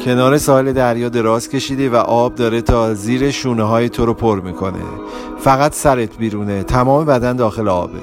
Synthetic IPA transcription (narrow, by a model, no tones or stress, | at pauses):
cʰe̞nɒːɾe̞sɒːhele̞d̪æɾjɒːd̪e̞ɾɒːzcʲʰe̞ʃiːd̪evæʔɒːb̚d̪ɒːɾe̞t̪ʰɒːziːɾeʃuːneɦɒːjet̪ʰoɾopʰoɾmiːkʰo̞nḛ | fæɣæt̪ʰsæɾet̪ʰbiːɾuːne̞t̪ʰæmɒːme̞bæd̪ænd̪ɒːxe̞leɒ̰ːbḛ